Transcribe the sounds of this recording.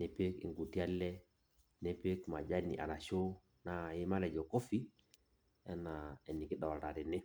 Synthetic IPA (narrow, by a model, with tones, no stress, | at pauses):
nɛ˨pe˦kɪ̰˨ŋɡu˨ti˦a˦lɛ˦ | nɛ˦pe˦kma˨d͡ʒa˦nḭ˨ʔa̰˨na˨ʃo˦ | na˦˨ɪ˦ma˦lɛ˨d͡ʒɔ˨ko˦fi˦ | ɛ˦na˨ɛ˨ni˨kɪ˦ɗɔ˨ta˨tɪ˨nɪ˦